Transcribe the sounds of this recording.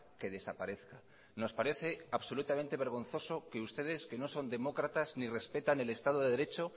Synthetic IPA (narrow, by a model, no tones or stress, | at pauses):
ke̞ð̞e̞sapaɾe̞θka | no̞spaɾe̞θe̞aβso̞lut̪amẽnt̪e̞β̞e̞ɾɣ̞o̞n̟θo̞so̞keust̪e̞ðe̞ske̞no̞so̞nd̪e̞mo̞kɾat̪aznire̞spe̞t̪ane̞le̞st̪að̞oðeðe̞ɾe̞t͡ʃo̞